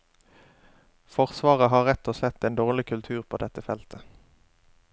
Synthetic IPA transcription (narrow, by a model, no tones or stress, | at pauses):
fɔʁsʋɑːʁəɦɑːʁɛt̪ɔsɛt̪eːnd̪oːʁlɪkʰʉlt̪ʰʉːʁpʰo̰ːd̪ɛt̪əfɛlt̪ʰə